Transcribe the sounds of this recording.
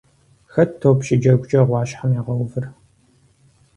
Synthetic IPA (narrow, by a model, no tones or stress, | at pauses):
xɐːoːpɕɪd͡ʒɐɡʷʊt͡ʃʼɐʁʷɑːɕħamiʁɐwvɨr